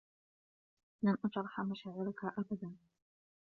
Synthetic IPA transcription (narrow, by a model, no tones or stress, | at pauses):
lamʔat̪ɾˤɑħamaʃaːʕɪɾakaʔabad̪an